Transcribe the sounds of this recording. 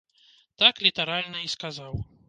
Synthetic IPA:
t̪aklʲit̪ɐɾalʲnɐiskazaw

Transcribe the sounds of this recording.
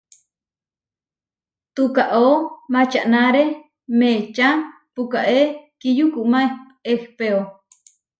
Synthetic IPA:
t̪ukaʔomat͡ʃaʔnaɾe | met͡ʃa | pukaʔekijukuʔma | ehpeo

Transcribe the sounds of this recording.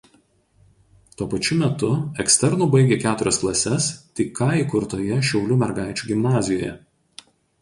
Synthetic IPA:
t̪uɔpɐt͡ʃʲʊmʲɛt̪ʊɛksʲt̪ʲɛɾnuːbɐɪɡʲeːkʲæːt̪ʊɾʲɛsklˠɐsʲɛst̪ʲɪkɑikʊɾt̪oːjɛʃʲɛʊlʲʊmʲɛɾɡɑˑɪt͡ʃʲuːɡʲɪmnɑːzʲɪjo̰ːjɛ̰

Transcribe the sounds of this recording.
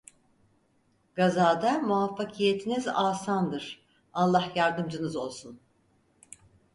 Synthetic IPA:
ɡ̥azaːd̪amuafːakʰijet̪ʰinizaːsand̪ɯɾ̥ | alˠːahjaɾd̪ɯmd͡ʒɯnɯzo̞lˠsun

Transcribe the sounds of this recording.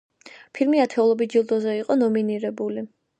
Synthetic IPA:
pʰilmiat̪ʰɛulˠɔbid͡ʒilˠd̪ɔzɛiqʼɔnɔminiɾɛbuli

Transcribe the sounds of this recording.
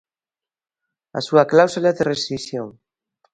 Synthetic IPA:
a̰suaklawsulaðerest̪ɾisjoŋ

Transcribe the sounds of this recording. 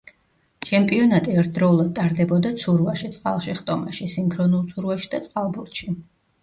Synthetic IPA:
t͡ʃʰɛmpʼiɔnat̪ʼiɛɾt̪̚ʰd̪ɾɔulˠad̪̚t̪ʼaɾd̪ɛbɔd̪at̪sʰuɾuvaʃit̪sʼqʼa̰lˠʃiχt̪ʼɔmaʃisiŋkʰɾɔnulˠt̪sʰuɾvaʃi̥d̪at̪sʼqʼalˠbuɾt̪ʃi

